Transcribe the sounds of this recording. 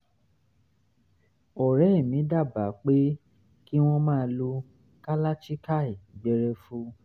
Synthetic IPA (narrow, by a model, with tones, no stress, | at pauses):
ɔ˨ɾɛ˨˦˨mĩ˨˦da˦˨ba˨˦k͡pe˦ | ki˦w̃ɔ̃˦mãː˦˧lu˧ | ka˦la˦t͡ʃi˦ka˦˨i˨bɛ˧˦ɾɛ˧fu˦